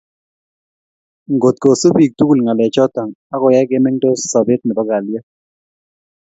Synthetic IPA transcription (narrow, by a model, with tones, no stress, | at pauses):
ŋɡo˨t̪̚ko˨so˦bi˨k̚tu˦ku˨lŋa˨lɛ˨t͡ʃɔ˦ta˨ŋa˦kɔ˨jɛ˦ɡɪ˦mɛ˦ŋdo˦sɔ˨bɪ˦t̚mɛ˨bɔ˦ɡa˨ljɛ˦